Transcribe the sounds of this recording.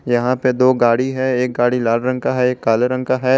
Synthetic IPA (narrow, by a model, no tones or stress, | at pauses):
jɐɦãped̪oːɡaːɽiɦɛeːk̚ɡaːɽilaːlɾɐ̃ŋkaɦɛeːkːaːlɾə̃ŋkaɦɛ